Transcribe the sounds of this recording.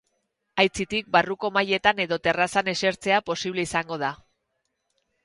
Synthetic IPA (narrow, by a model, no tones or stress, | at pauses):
ajt͡sit̪ik̚baruko̞maje̞t̪ane̞ðo̞t̪e̞rasane̞se̞ɾt͡se̞apo̞siβ̞le̞isaŋɡo̞ð̞a